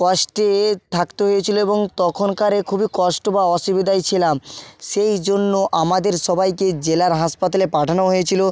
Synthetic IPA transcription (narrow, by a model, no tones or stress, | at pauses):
kɔʃʈet̪ʰakt̪eɦojet͡ɕʰiloeboŋt̪ɔkʰonkaɾekʰubikɔʃʈobaɔʃibid̪ajt͡ɕʰilamʃejd͡ʑonːoʔamad̪eɾʃɔbajked͡ʑelaɾɦaʃpat̪alepaʈʰanoɦojet͡ɕʰilo